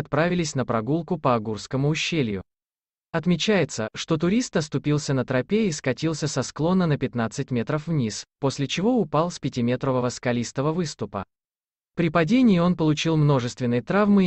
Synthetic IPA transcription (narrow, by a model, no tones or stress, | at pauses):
ɐt̪̚pɾavʲɪlʲɪsʲnəpɾɐɡulˠkʊpəɐɡurskəmʊːɕːelʲjʊ̰ | ɐt̪mʲɪt͡ɕæjɪt̪səʂt̪o̞t̪ʊɾʲist̪ɐst̪ʊpʲilˠsʲənət̪ɾɐpʲeiskɐtʲilˠsʲəsɐsklˠo̞nːənəpʲɪt̪nat̪sɨt̚ʲmʲet̪ɾəfvnʲispo̞sʲlʲɪt͡ɕɪvo̞ʊpalˠspʲɪtʲɪmʲet̪ɾəvəvəskɐlʲist̪əvəvɨst̪ʊpə̰ | pɾʲɪpɐdʲenʲɪɪo̞npəlˠʊt͡ɕilˠmno̞ʐɨst̪vʲɪnːɨjət̪ɾavmɨ